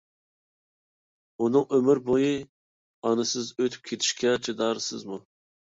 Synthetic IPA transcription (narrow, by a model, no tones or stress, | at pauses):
unɨŋømɪɾbojɨ | ɑnɨsɪzøt̪ʰy̥p̚kʲʰet̪ʰi̥ʃkʲɛt͡ʃʰɪd̪ɑːɾɨsɪ̰zmu